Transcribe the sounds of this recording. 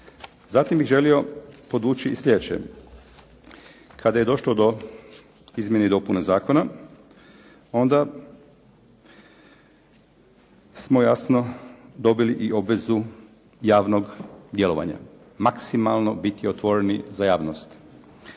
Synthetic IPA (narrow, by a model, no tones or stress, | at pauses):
zat̪imbiɣʒe̞lio̞po̞d̪ʋuːt͡ʃiislʎʲe̞d̪et͡ɕt͡ʃḛ | kʰad̪ajed̪o̞ʃlod̪o̞ | izmjened̪o̞punezaːko̞na | o̞nd̪a | smojasno̞d̪o̞biliʔiʔo̞bʋe̞zu | jaːʋnoɡd̪jelo̞ʋa̰ɲa̰ | maksimalˠno̞bit̪io̞t̪ʋo̞ɾenizajaːʋnost̪